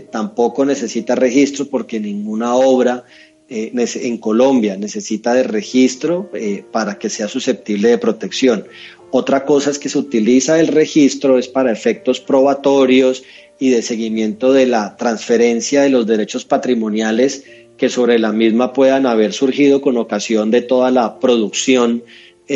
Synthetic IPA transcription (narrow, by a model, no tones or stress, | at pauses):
t̪ampo̞ko̞ne̞se̞sit̪are̞xist̪ɾo̞po̞ɾke̞nĩŋɡunao̞βɾa | eneseeŋko̞lo̞mbjane̞se̞sit̪aðe̞re̞xist̪ɾo̞paɾake̞se̞asuse̞p̚t̪iβle̞ðe̞pɾo̞t̪e̞ksjo̞n | o̞t̪ɾako̞sae̞ske̞seut̪ilisae̞lre̞xist̪ɾo̞e̞spaɾae̞fe̞k̚t̪o̞spɾo̞βat̪o̞ɾjo̞s | iðe̞se̞ɣimje̞nt̪o̞ðe̞lat̪ɾansfe̞ɾe̞nsjaðe̞lo̞zd̪e̞ɾe̞t͡ʃo̞spat̪ɾimõ̞njale̞s | ke̞so̞βɾe̞lamizmapwe̞ðanaβ̞e̞ɾsuɾxiðo̞ko̞no̞kasjo̞nd̪e̞t̪o̞ðalapɾo̞ðuksjo̞n